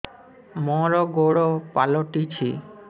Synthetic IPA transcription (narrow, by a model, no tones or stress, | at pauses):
mɔɾoɡoɽopaloʈit͡ɕʰi